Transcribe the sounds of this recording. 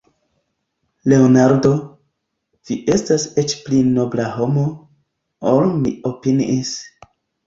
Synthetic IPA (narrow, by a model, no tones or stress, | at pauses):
le̞onaɾdo̞ | viʔe̞staset͡ʃplino̞blaɦo̞mo | olmiopiniis